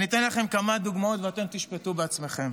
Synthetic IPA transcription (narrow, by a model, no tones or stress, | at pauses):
nit̪enlaχe̞mkamad̪uɡmao̞t̪veat̪e̞mt̪iʃpet̪ubeat͡sme̞χe̞m